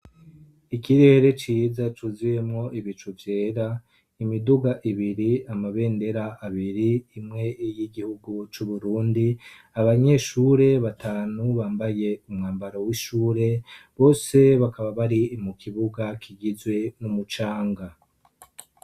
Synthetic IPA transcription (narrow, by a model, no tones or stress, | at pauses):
ikiɾe̞ːɾe̞t͡ʃiːzat͡ʃuzijemŋo̞ʔiβit͡ʃuvje̞ːɾa | imiduɡaʔiβiɾiamaβe̞ːnde̞ɾaaβiɾiːmŋe̞jiɡihuɡut͡ʃuβuɾuːndi | aβaɲe̞ʃuːɾe̞βatʰaːnuβaːmbaje̞umŋaːmbaɾowiʃuːɾe̞βo̞ːse̞βakaβaβaɾimukʰiβuɡakʰiɡizwe̞numut͡ʃaːŋɡa